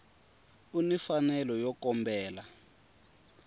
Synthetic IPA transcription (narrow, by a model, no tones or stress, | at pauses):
unifanɛlɔjɔkɔmbɛːla